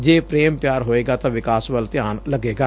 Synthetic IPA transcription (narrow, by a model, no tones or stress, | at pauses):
d͡ʒeːpɾeːmpjaːɾɦoːeːɡat̪ɐʋɪkaːsʋəlt̪ɪjaːnlɐɡeːɡaː